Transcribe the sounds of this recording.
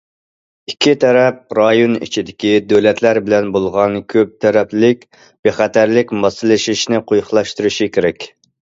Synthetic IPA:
ikʲʰːit̪ʰɛɾɛp̚ɾɑjonḭt͡ʃʰid̪ɪkʲid̪øwlɛt̪ʰlæɾbɪlɛnbolˠʁɑnkʲʰøp̚t̪ʰɛɾɛpllɪk̚ʲ | b̥eχæt̪ʰæɾlɪkʲmɑsɨlˠɨʃiʃnɪqʰojχlˠɑʃt̪uɾuʃikʲʰeɾɛkʲ

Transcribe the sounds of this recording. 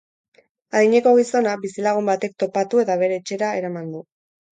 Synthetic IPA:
aðiɲe̞ko̞ɣ̞iso̞nabisilaɣ̞umbat̪e̞k̚t̪o̞pat̪ue̞t̪aβ̞e̞ɾe̞ːt͡ʃe̞ɾae̞ɾamand̪u

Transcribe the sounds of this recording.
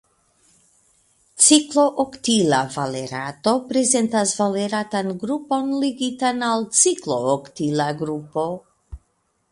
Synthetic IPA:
t͡sikloʔokt̪ilavaleɾat̪o̞pɾezent̪asvaleɾat̪anɡɾupo̞nliɡit̪analt͡sikloːkt̪ilaɡɾupo

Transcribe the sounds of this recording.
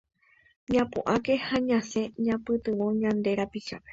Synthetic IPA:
ɲãpṵʔake̞haɲãse̞ɲãpɨt̪ɨʋo̞ɲãnd̪e̞ɾapiʃape

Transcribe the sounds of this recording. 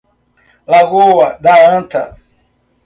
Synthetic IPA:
laɣowadaãnta̰

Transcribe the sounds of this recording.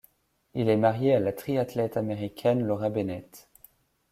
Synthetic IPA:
ilɛmaʁjealat̪χiat̪lɛt̪ameʁikʲʰɛnlɔʁabenɛt̪

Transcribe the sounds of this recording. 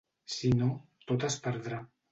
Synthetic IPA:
sinot̪ot̪aspaɾd̪ɾa

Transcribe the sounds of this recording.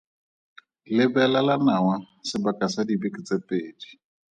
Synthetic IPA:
lɪbɛlalanawa | sɪbakʼasadibikʼit͡sʼepʼeːdi̥

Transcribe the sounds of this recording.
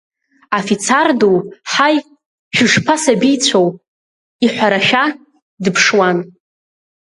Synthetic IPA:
afit͡sʰarduwħaj | ʒᶣɪʂpʰasabijt͡sʷʰow | iħʷᶣaɾaʃᶣa | dɨpʰʂwan

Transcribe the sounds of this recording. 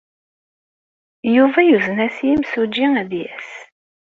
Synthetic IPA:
juvæjuznæsjimsud͡ʒːiŋæðjæs

